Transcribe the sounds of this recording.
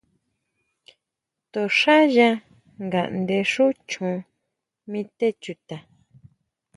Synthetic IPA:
t̪o˨ʂa˦ʒa˧ | ŋɡa˨ʔnd̪e˧ʂu˦t͡ʃũ˧ | mĩ˦t̪e˦t͡ʃu˧t̪a˨

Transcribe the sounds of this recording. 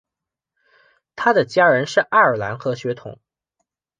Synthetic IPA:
t̪ʰa˥d̪ə˨t͡ɕja˥ɻə˧˥nʂɻ̩˥˩ʔa˥˩ə˞˨˩la˧˥nxɤ˧˥ɕɥɛ˧˥t̪ʰʊ̰˨˩˦ŋ

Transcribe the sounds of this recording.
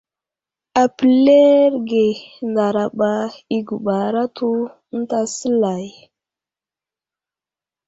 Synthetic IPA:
a˨pi˨le˦ɾɡe˨nda˨ɾa˨ɓa˦i˨ɡu˨ɓa˨ɾa˦tu˦ | n̩˦ta˦sə˦la˨j

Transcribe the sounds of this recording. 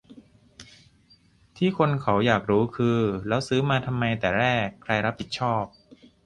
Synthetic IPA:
t̪ʰiː˥˩kʰo˧nkʰa˩˦wjaː˨˩k̚ɾuː˦˥kʰɯː˧lɛː˦˥wsɯː˦˥maː˧t̪ʰa˧mːa˧jt̪ɛː˨˩ɾɛː˥˩kʰːɾa˧jɾa˦˥p̚ʰːi˨˩t̪̚t͡ɕʰɔː˥˩p̚

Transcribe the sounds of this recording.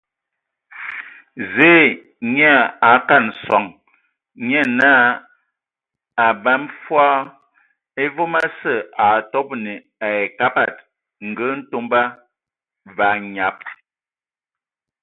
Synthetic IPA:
zeː˨˦ | ɲ˦a˦˨a˨ka˦˨nsɔ˨ŋ | ɲɛ˦˨naː˦ | a˨ba˦mfwɔ˦ | e˦vo˦ma˦sə˦˨ʔa˨tɔ˦p̚ni˨ | a˨e˨ka˦pa˦˨t̚ | ŋ̩˨ɡə˦n̩˦to˦mba˦ | va˨˦ɲa˨˦p̚

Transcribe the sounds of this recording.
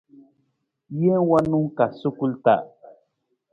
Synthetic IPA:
je˦wa˦nu˦ŋka˨su˦ku˦lt̪a̰˦˨ʔ

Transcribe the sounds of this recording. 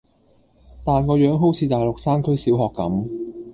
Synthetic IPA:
t̪aː˨nkɔː˧jœː˨˥ŋɦo˨˥wt͡sʰiː˨˧t̪aː˨jlʊ˨k̚saː˥nkʰɵ˥ɥsiː˨˥wɦɔː˨kːɐ̰˨˥m

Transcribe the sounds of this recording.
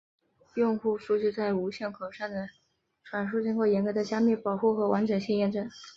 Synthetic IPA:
jʊ˥˧ŋxu˥˧ʂu˥˧t͡ɕy˥˧t͡sa˥˩ɪu˧˥ɕjɛ˥˩nkʰo˨˩ʂa˥˩nd̪ə˩ | ʈ͡ʂʰwa˨˩nʂu˥˩˧t͡ɕi˥ŋkwɔ˥˩jɛ˧˥nkɤ˧˥d̪ə˧ɕja˥mi˥˩pɑ˨˩ʊxu˥˩xɤ˧˥wa˧˥nʈ͡ʂə˨˩nɕi˥˧ŋjɛ˥˧nʈ͡ʂɤ˥˩n

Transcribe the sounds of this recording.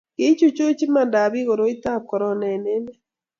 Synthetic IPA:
ke˦t͡ʃu˦t͡ʃo˦t͡ʃi˦ma˨nda˨βi˦ɣo˨ɾo˨˦i˦ta˦kɔ˨ɾɔ˦na˨ne˦nɛ˦

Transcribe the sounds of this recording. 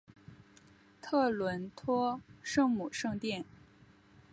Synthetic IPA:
t̪ʰɤ˥˩lwə˧˥nt̪ʰwɔ˥ʂɤ˥˧ŋmu˨˩ʂɤ˥˧ŋt̪jɛ˥˩n

